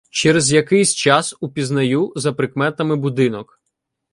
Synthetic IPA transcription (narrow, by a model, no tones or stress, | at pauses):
t͡ʃɛɾezjɐkɪjsʲt͡ʃɑsupʲiznɐjuzɐpɾɪkmɛt̪ɐmɪbʊd̪ɪnɔk